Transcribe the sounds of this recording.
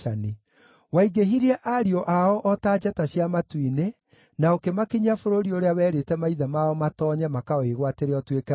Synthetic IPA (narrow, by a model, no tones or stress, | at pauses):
ani | waiɡeɦiɾiɛʔaɾiɔʔaɔʔɔtaːd͡ʑɛtaɕjamatwine | naokemakiɲafoɾoɾioɾeawɛːɾetɛmaiðamaɔmatɔɲɛmakaɔeɣwateɾeɔtwekɛ